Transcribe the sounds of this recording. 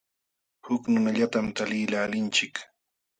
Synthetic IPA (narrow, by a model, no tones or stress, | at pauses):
hʊknʊnaʎat̪amt̪alɪːlaːlɪnt͡ʃɪk